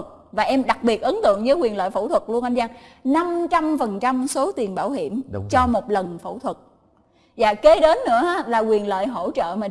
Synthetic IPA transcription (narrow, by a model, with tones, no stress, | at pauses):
t̚vaː˨˩ʔɛ˧mɗa˨˩k̚ɓi˨˩ət̚ʔə˨˦nt̪ɨ̰˧˨əŋzəː˨˦kwi˨˩ənlə̰ː˧˨jfo̰˧˩wt̪ʰwə˨˩t̚lu˧ənʔa˧jmzaː˧ŋna˧mt͡ɕa˧mfə˨˩nt͡ɕa˧mso˨˦t̪i˨˩ənɓaː˧˩wɦi˧˩əmt͡ɕɔ˧mo˨˩t̚lə˨˩nfo̰˧˩wt̪ʰwə˨˩t̚ | za̰ː˧˨ke˨˦ɗe˨˦nːɨ̰˧˥əʔaː˨˦laː˨˩kwi˨˩ənlə̰ː˧˨jɦo̰˧˥t͡ɕə̰ː˧˨maː˨˩